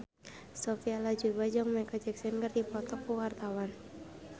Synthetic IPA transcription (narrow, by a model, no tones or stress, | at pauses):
sɔfialad͡ʒubad͡ʒaŋmɛkɔd͡ʒɛksɛnkərdipɔt̪ɔkːuwart̪awan